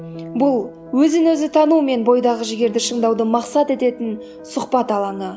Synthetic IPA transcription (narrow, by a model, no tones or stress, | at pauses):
bʊlˠ | wɵzɪnɵzɪt̪ʰɑnume̞nbo̞jd̪ɑʁəʒɪɡʲe̞ɾd̪ɪʃəɴd̪ɑwd̪əmɑqsɑt̪e̞t̪e̞t̪ɪn | sʊqpɑt̪ɑlˠɑɴə